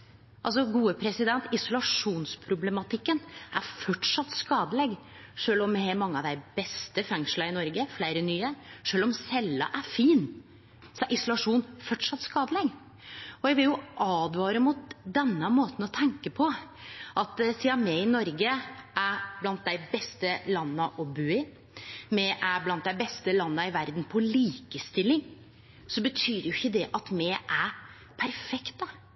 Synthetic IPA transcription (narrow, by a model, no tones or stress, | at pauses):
ʔɑls̬ɔɡuːəpʰɾɛsɪd̪ɛnt̪ɪsʊlɑʂuːnspʰɾʊblɛmɑt̪ʰɪkːənʔæɾfɔʈʂɑt̪ːskɑːd̪əlɛɡ | ʂøːlɔmhɛmɑŋːəɑʋd̪æɪbɛst̪əfɛŋʂlɑɪnɔɾɡəflæɪɾənyːəʂøːlɔmsɛlːɑ̰ʔæɾfiːn | sɔʔɪsʊlɑʂuːnfɔʈʂɑt̪ːskɑːd̪əlɛɡ | ɔjæɡʋɪljʊʔɑːd̪ʋɑːɾəmʊt̪̚d̪ɛnːəmoːt̪n̩ɔt̪ʰɛŋkəpʰɔʔɑt̪siːɑmɛɪnɔɾɡəʔæɾblɑnt̪̚d̪æɪbɛst̪əlɑnːəʔɔbʉːɪ | mɛʔæblɑnt̪̚d̪æɪbɛst̪əlɑnːəɪʋæɾd̪n̩pʰɔliːkəst̪ɪlːɪŋ | sɔbət̪ʰyːɾjʊɪçːəd̪ɛʔɑt̪mɛʔæ | pʰæɾfɛkt̪ə